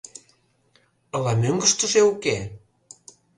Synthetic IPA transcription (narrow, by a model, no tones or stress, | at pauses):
ə̆lɑmøŋɡə̆ʃt̪ə̆ʒeuke